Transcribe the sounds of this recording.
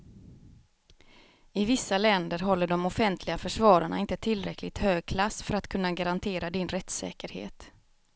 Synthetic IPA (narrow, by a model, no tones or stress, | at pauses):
ɪvɪsːalɛnd̪əɾɦɔlːəɖɔmɔfɛnt̪ʰlɪɡafœʂvɑːɾaɳa̰ɪnt̪ət̪ʰɪlɾɛklɪɡ̚t̪høːɡ̚kʰlasːfœɾat̪kʰɵnːaɡaɾant̪ʰeːɾad̪ɪnɾɛt̪sɛ̰ːkəɾhḛːt̪